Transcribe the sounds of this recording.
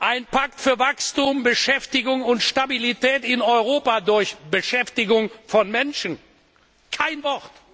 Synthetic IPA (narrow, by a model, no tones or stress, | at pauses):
ʔaɪnpʰaktfyːɐvakstuːmbəʃɛftɪɡʊŋʊntʃtabilitɛːtɪnɔʏʁoːpadʊɐçbəʃɛftɪɡʊŋfɔnmɛnʃən̩ | kʰaɪnvɔʁt